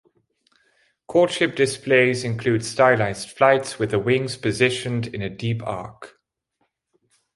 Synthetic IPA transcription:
kʰɔˑtʃɪp̚d̥ɪspleɪzɪ̃nkʰl̥ʉːd̥staɪlaɪz̥tflaɪtswɪðəwɪ̃ŋz̥pʰəzɪʃə̃ndɪ̃nədiˑpʰɑ̰ˑk

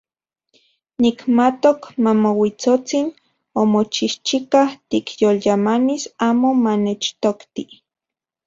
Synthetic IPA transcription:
nikmat̪okmamowit͡sot͡sin | omot͡ʃiht͡ʃikaht̪ikjoljamanisaːmomanet͡ʃt̪okt̪i

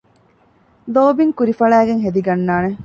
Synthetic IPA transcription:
loːbiŋkuɾifɐɭæːɡeŋɦed̪iɡɐnːaːne

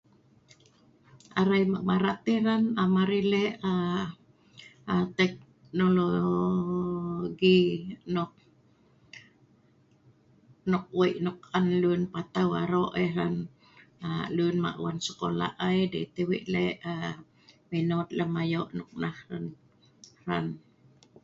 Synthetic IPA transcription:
aɾajmaʔmaɾat̪iranamaɾilea | at̪ɛk̚ | nulo | ɡinok̚ | nʊk̚wiʔnokanlunpat̪awa̰ɾoʔeran | alunma̰ʔṵansə̥kola̰ʔajdḭt̪ewḭʔleʔa | minot̪ləmajoʔnʊk̚nahran | ra̰n

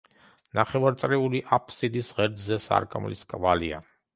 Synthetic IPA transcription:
naχɛvaɾt̪sʼɾɛuliʔapʰʼsid̪isʁɛɾd̪zɛsa̰ɾkʼamlḭskʼvalia̰

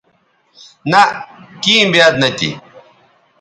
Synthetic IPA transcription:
nɐkimbjad̪nɐt̪ḭ

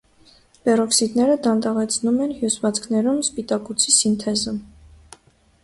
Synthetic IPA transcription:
b̥ɛrɔksit̪nɛɾəd̪ɑnt̪ɑʁɛt͡sʰnumɛnhjusvɑt͡sʰkʰnɛɾumspit̪ɑkut͡sʰisint̪ʰɛzə

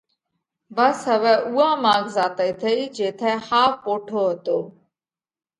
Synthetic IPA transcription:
bəsɦəʋɛːʔuːãːmãːɡzaːt̪əiːt̪ʰəiːd͡ʒeːt̪ʰɛ̃ːhaːfpoːʈʰoːɦət̪oː

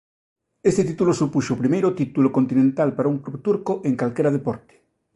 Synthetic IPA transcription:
est̪et̪it̪ulosupuʃopɾimejɾot̪it̪ulokont̪inẽnt̪alpaɾauŋklupt̪uɾkoʔeŋkalkeɾað̞epɔɾt̪e̥

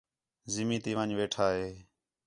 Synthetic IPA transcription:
zɪmiːt̪iːʋãːɲʋeːʈʰaːɦeː

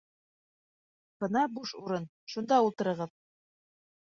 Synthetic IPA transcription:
b̥ɤnɑbuʃuɾɤn | ʃund̪ɑulˠt̪ɤ̆ɾɤ̆ʁɤð

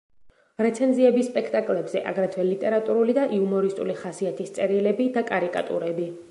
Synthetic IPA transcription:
ɾɛt̪sʰɛnziɛbisːpʼɛkʰt̪ʼakʼlɛbzɛʔa̰ɡɾat̪ʰwɛlit̪ʼɛɾat̪ʼuɾulid̪aʔiumɔɾist̪ʼṵliχasiat̪ʰist̪sʼɛɾilɛbid̪akʼaɾikʼa̰t̪ʼṵɾɛbi

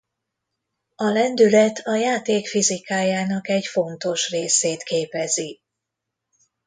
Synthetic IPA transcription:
ɒlɛnd̪ylɛt̪ʰɒjaːt̪eːkfizikaːjaːnɒkɛɟfo̞nt̪o̞ʃreːseːt̪keːpɛzi

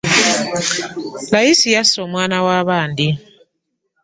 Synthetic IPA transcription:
lajisijasomwaːnawaːβaːndi

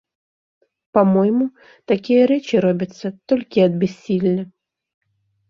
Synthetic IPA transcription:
pamɔjmu | t̪akʲijɐɾɛt͡ʃiɾɔbʲɐt̪sːɐt̪ɔlʲkʲiɐd̪̚bʲɛsʲːilʲnɐ

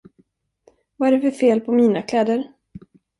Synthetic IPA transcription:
vaæɾɖɛfœɾfeːlpʰɔmiːnakʰlɛːd̪əɾ

